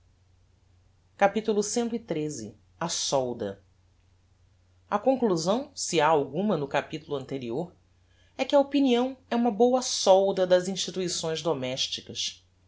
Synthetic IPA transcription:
kapit̪ulʊsẽnt̪ʊit̪ɾezɪ̰ | ɐsɔwd̪ɐ̰ | ɐkõŋkluzɐ̃w̃siaawɡũmɐnʊkapit̪ulʊɐ̃nt̪eɾioɾ | ɛkɪɐopiniɐ̃w̃ɛũmɐbowɐsɔwd̪ɐd̪ɐzĩʃt͡ʃit̪uisõj̃zd̪omɛʃt͡ʃikɐs

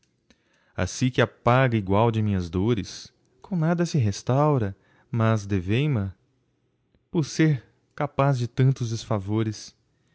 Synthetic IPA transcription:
a̰sĩkɪapaɡɐiɡwawd͡ʒɪmĩɲɐzd̪oɾɪs | kõw̃nad̪ɐsɪɦest̪awɾɐ | mɐzd̪evẽjmɐ̃ | poɾseɾ | kapazd͡ʒɪt̪ɐ̃nt̪ʊzd͡ʒ̪ɪsfavoɾɪs

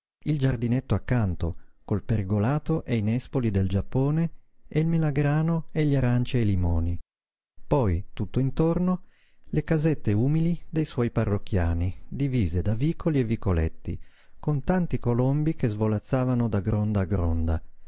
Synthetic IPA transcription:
ild͡ʒard̪inet̪ːoakːant̪o̰kolpeɾiɡolaːt̪oʔejnɛspolid̪eld͡ʒapːoːneeilmelaɡɾaːnoeʎːaɾant͡ʃielimɔːni | pɔjt̪ut̪ːoint̪orno | lekazet̪ːeuːmilid̪ejswɔjparːokːja̰ːnid̪iviːzed̪aviːkʰolievikolḛt̪ːḭ | kont̪ant̪ikolombikezvolat̪sːaːvanod̪aɡɾond̪aɡɾɔ̰nd̪a

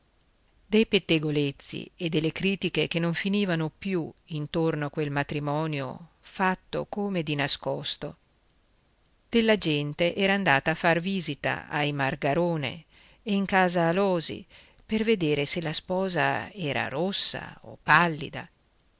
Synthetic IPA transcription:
d̪̥ejpet̪ːeɡolet̪sːḭed̪ːelːekɾiːt̪ik̟ek̟enːoɱfiniːvanopjuint̪ornoakːwelmat̪ɾimɔːnjo̰ | fat̪ːo̰koːmed̪inaskɔst̪o | d̪̥elːad͡ʒɛnt̪eʔɛːɾaːnd̪aːt̪aːfːarviːzit̪a̰a̰jmarɡaɾoːnḛ | eiŋkaːzaːlɔːzḭ | perved̪eːɾeselaspɔːza̰ɛːɾa̰ɾosːa̰o̰pːalːḭd̪a̰

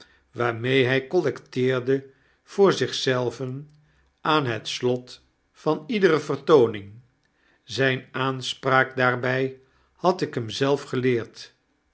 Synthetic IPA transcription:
ʋaːɹmejɦɛjkɔlɛktɪːɹdə | v̥ʊːɹzɪχsɛlˠvən | ʔaːnɦətslɔt | fɑnidərəvərtownɪŋ | zɛjnaːnspraːk̚daːɹbɛj | hɑtɪkɦəmzɛlˠfχəlɪːɹt

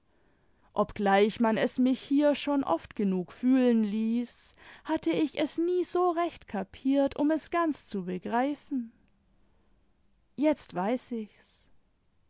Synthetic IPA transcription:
ʔɔpɡ̥laɪçmanɛsmɪçhiːɐʃoːnʔɔ̰ftɡ̥ənuːkfyːlənliːshatʰəɪçɛsniːzoːʁɛçtkʰapʰiːɐtʊmɛsɡ̥ant͡st͡subəɡʁaɪfn̩ | jɛt͡stv̥aɪsɪçs

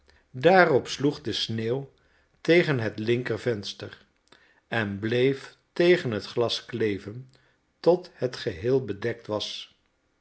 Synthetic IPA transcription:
daːrɔpsluχdəsneːw | tejχənɦətlɪŋkərvɛnstər | ɛnblejf | tejχənɦətχlɑsklejvən | tɔthətχəɦɪːlˠbədɛk̚tʋɑs

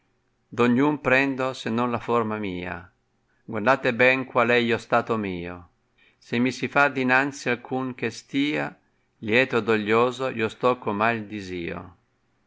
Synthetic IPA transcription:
d̪oɲːumpɾɛnd̪osenːɔnlafɔɾmamiːa̰ | ɡward̪aːt̪ebɛŋkwalɛjost̪aːt̪omiːo̰ | semːisifad̪inant̪sialkʰuŋk̟est̪iːa | ljɛːt̪od̪oʎːoːzoiost̪ɔkːomald̪iziːo̰

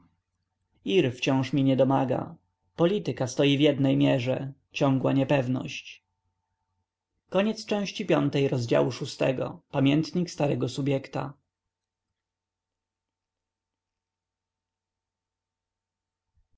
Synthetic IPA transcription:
iɾft͡ɕɔ̃w̃ʂmʲiɲɛd̪ɔmaɡa̰ | pɔlʲit̪ɘkast̪ɔjivʲjɛd̪nɛjmʲjɛʐɛ | t͡ɕɔ̃ŋɡwaɲɛpɛvnɔ̰ɕt͡ɕ | kɔɲɛt̪st͡ʂɛ̃w̃ɕt͡ɕipʲjɔnt̪ɛjɾɔzd͡ʑa̰wuʂust̪ɛ̰ɡɔ̰pamʲjɛnt̪ɲikst̪aɾɛɡɔsubʲjɛkt̪a̰

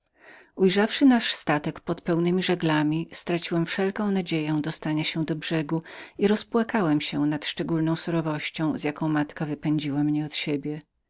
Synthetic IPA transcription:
ujʐafʂɘnaʂst̪at̪ɛkpɔt̪pɛwnɘmʲiʐɛɡlamʲist̪ɾat͡ɕiwɛmfʂɛlkɔ̃w̃nad͡ʑejɔ̃w̃d̪ɔst̪aɲaɕɛd̪ɔbʐɛɡuiɾɔspwakawɛmɕɛnat̪ʂt͡ʂɛɡulnɔ̃w̃suɾɔvɔɕt͡ɕɔ̃w̃zʲjakɔ̃w̃mat̪kavɘpɛɲd͡ʑiwamɲɛɔt̪ɕebʲjɛ

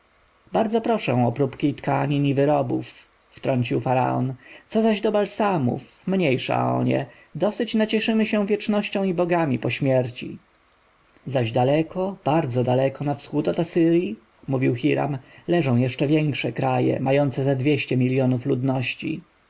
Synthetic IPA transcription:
baɾd̪zɔpɾɔʂɛ̰̃ɔpɾupkʲit̪kaɲinivɘɾɔbufː | t̪ɾɔɲt͡ɕiwfaɾa̰ɔ̰nt̪sɔzaʑd̪ɔbalsamṵfmɲejʂa̰ɔ̰ɲɛ̰ | d̪ɔsɘt͡ɕnat͡ɕɛʂɘmɘɕɛ̃w̃vʲjɛt͡ʂnɔɕt͡ɕɔ̃w̃ibɔɡamʲipɔɕmʲjɛɾt͡ɕḭ | zaʑd̪alɛkɔb̥aɾd̪zɔd̪alɛkɔnafsxut̪ɔt̪asɘɾʲji | muvʲiwxiɾa̰mlɛʐɔ̃w̃jɛʂt͡ʂɛvʲjɛŋkʂɛkɾajɛ̰majɔnt̪sɛzad̪vʲjɛɕt͡ɕɛmʲiljɔnuflud̪nɔɕt͡ɕḭ

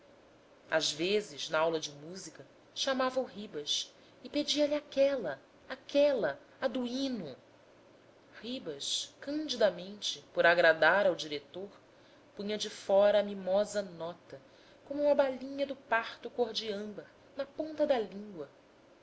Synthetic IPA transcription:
a̰zvezɪznɐawlɐd͡ʒɪmuzikɐ | ʃamavɐuɦibɐʃ | ɪped͡ʒiɐliakɛlɐ | akɛlɐ | ad̪uĩnʊ | hibɐʃkɐ̃nd͡ʒid̪ɐmẽnt͡ʃɪpoɾaɡɾad̪aɾawd͡ʒiɾet̪oɾ | pũɲɐd͡ʒɪfɔɾɐːmimɔzɐnɔt̪ɐ | kõmuũmɐbaʎĩɲɐd̪ʊpaχt̪ʊkoɾd͡ʒiɐ̃mbɐɾ | nɐpõnt̪ɐd̪ɐlĩŋɡwɐ

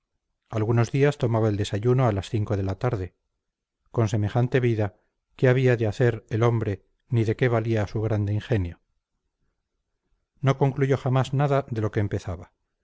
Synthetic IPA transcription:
alɣuno̞zðiast̪o̞maβaeld̪e̞saʝuno̞alasθiŋko̞ð̞e̞lat̪aɾðe̞ | ko̞nse̞me̞χant̪e̞βiða | ke̞aβ̞iaðeaθe̞ɾelo̞mbɾe̞ | niðe̞ke̞βaliasuɣ̞ɾand̪eiŋxe̞njo̞ | no̞ko̞ŋkluʝo̞χamaznaðaðe̞lo̞ke̞ːmpe̞θaβa

